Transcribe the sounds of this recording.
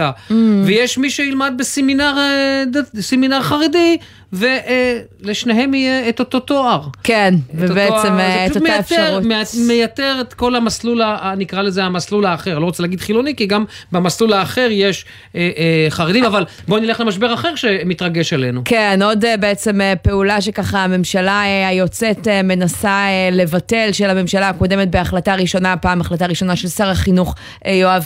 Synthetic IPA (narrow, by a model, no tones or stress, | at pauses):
avejeʃmiʃeilmad̪̚beseminaʁed̪aseminaʁχaʁedi | ve̞ʔ | leʃne̞ɦe̞mijeːt̪ot̪o̞t̪oaʁkenevebeeemʃumeatfemmejate̞ʁet̪ko̞lamaslulanikʁalezeamaslulaːχeʁanlo̞ot͡selaːɡid̪χilo̞nikiɡambemaslulaːχe̞ʁjeʃ | eʔχaʁedimaval | bonileχlemaʃbeʁaχeʁʃe̞mit̪ʁaɡe̞ʃele̞nukeno̞debe̞et͡se̞mepe̞ulaʃ̬e̞kaχaːme̞mʃalaajo̞t͡seteme̞nasale̞vatelʃe̞lhame̞mʃalaako̞de̞met̚beaχlataʁiʃo̞napaːmaχlat̬aʁiʃo̞naʃe̞lsaʁaχinuχ | joav